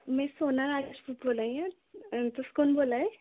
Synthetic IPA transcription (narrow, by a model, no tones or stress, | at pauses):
mɛ̃soːnaɾaːd͡ʒespuːʈboːlaĩa | t̪oskonboːlae